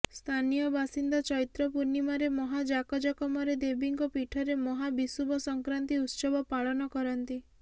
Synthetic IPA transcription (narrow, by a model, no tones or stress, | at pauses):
st̪ʰanijɔbasind̪ɔt͡ʃɔit̪ɾɔpuɾnimaɾemɔɦad͡ʒakɔd͡ʒɔkɔmɔɾed̪ebiŋkɔpiʈʰɔɾemɔɦabisubɔsɔŋkɾant̪iut̪sɔbɔpaɭɔnɔkɔɾɔnt̪i